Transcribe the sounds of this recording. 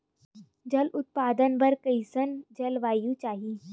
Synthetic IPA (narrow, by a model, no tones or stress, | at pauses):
d͡ʒɐlʊt̪̚paːd̪ənbɐɾkəisənd͡ʒɐlʋaːjũt͡ʃaːɦiː